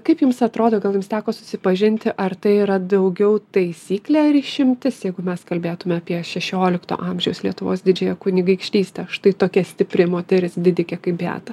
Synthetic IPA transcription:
kɐɪpjʊmsɐt̪ɾoːd̪oːɡɐlˠjʊmst̪ʲæːkoːsʊ̥sʲɪpɐʒʲɪnʲt̪ʲɪʔɐrt̪ɐɪiːɾɐd̪ɐʊɡʲɛʊt̪ɐɪsʲiːklʲæːɐɾiːʃʲɪmʲt̪ʲɪsjɛɪɡʊmʲɛskɐlʲbʲeːt̪ʊmʲɛɐpʲiɛʃʲɛʃʲoːlʲɪkt̪o̰ːʔɐmʲʒʲɛʊslʲiɛt̪ʊʋoːsd̪ʲɪd͡ʒʲɛjɛkʊnʲɪɡɐɪkʃʲt̪ʲiːsʲt̪ʲɛʃt̪ɐɪt̪oːkʲiɛsʲt̪ʲɪpʲɾʲɪmoːt̪ʲɛɾʲɪsd̪ʲɪd̪ʲɪkʲɛkɐɪpbʲæ̰ːt̪ɐ

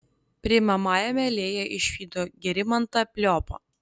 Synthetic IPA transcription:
pʲɾʲɪmɐmɑːjɛmʲɛlʲeːjɛʔɪʃʲʋʲiːd̪oːɡʲɛɾʲɪmɐnt̪ɐpʲlʲɔːpoː

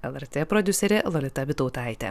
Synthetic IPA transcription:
ɛlˠɛɾʲt̪ʲepɾɔd̪ʲʊsʲɛɾʲelˠɔlʲɪt̪ɐbʲɪt̪ɔʊt̪ɑˑɪt̪ʲɛ̰

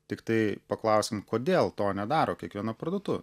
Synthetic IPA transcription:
t̪ʲɪkt̪ɐɪpɐklˠɐʊsʲɪmkoːd̪ʲeːlˠt̪oːnʲɛd̪ɑːɾoːkʲiɛkʋʲiɛnɐpɾɐd̪oːt̪ʊ

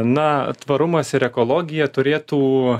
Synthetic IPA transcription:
nɐt̪ʋɐɾʊmɐsɪɾɛkoːlˠoːɡʲɪjɛt̪ʊɾʲeːt̪uː

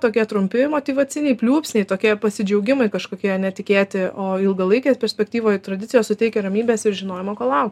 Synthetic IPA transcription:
t̪oːkʲiɛt̪ɾʊmʲpʲɪmoːt̪ʲiːʋɐt͡s̪ʲɪnʲɛɪpʲlʲuːpʲsʲnʲɛɪt̪oːkʲiɛpɐsʲɪd͡ʒʲɛʊɡʲɪmɐɪkɐʃkoːkʲiɛɐnʲɛt̪ʲɪkʲeːt̪ʲɪʔoːɪlˠɡɐlˠɐɪkʲɛːspʲɛɾʲsʲpʲɛk̚t̪ʲiːʋoːjt̪ɾɐd̪ʲɪtt͡sʲɪjoːsʊt̪ʲɛɪkʲɛɾɐmʲiːbʲɛːsɪɾʒʲɪnoːjɪmoːkoːlˠɐʊkt

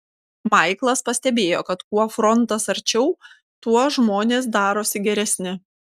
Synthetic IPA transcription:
mɐɪklˠɐspɐsʲt̪ʲɛbʲeːjo̰ːkɐt̪kuɔfɾɔnt̪ɐsɐɾʲt͡ʃʲɛʊ | t̪uɔʒmoːnʲeːs̬d̪ɑːɾoːsʲɪɡʲɛɾʲɛsʲnʲɪ

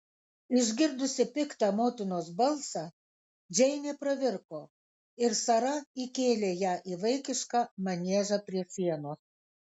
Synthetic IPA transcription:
ɪʒʲɡʲɪɾd̪ʊsʲɪpʲɪkt̪ɑmoːt̪ʲɪnoːs̬bɐlˠsɑː | d͡ʒʲɛɪnʲeːpɾɐʋʲɪɾkoː | ɪɾsɐɾɐiːkʲeːlʲeːjæːʔiːʋɐɪkʲɪʃkɑːmɐnʲiɛʒɑpʲɾʲiɛsʲiɛnoːs

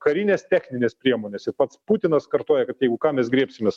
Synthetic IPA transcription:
kɐɾʲiːnʲeːst̪ʲæːxʲnʲɪnʲeːspʲɾʲiɛmoːnʲeːsɪɾpɐt̪spuːt̪ʲɪnɐskɐɾt̪oːjɛkɐt̪jɛɪɡʊkɑːmʲɛsɡɾʲieɛpʲsʲɪmʲes

